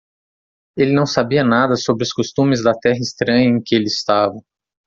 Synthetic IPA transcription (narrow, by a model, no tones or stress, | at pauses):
elɪnɐ̃w̃sabiɐnad̪ɐsobɾɪʊskost̪ũmɪzd̪ɐt̪ɛɦɐist̪ɾɐ̃ɲɐẽkɪelɪɪst̪avɐ